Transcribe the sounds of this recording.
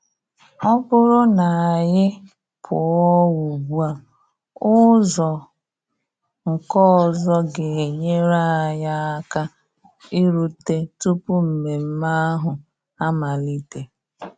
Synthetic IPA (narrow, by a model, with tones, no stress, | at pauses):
ɔ˦bʊ˦ɾʊ˦na˨a˨ɲɪ˦ | pʰʊ˨ɔ˦wu˨bu˦a˨ | ʊ˦zɔ˨ | ŋ̩˨kɔ˦ɔ˨zɔ˦ɡɪ˨e˨ɲe˦ɾa˦˨ja˦a˦ka˦ | i˦ɾu˦te˦tu˦pu˦m̩˨me˨m̩˦ma˦a˦ɦʊ˨ | a˦ma˨li˦te˨